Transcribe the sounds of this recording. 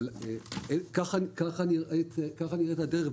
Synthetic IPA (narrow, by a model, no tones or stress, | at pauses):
leekaχankaχaniʁʔet̪kaχaniʁetadeʁe